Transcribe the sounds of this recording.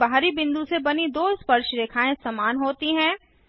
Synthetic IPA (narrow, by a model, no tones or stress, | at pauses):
baɦɾibɪ̃nd̪usebɐnid̪oːspɐɾʃɾeːkʰaːẽsɐmaːnɦoːt̪iɦɛ̃ː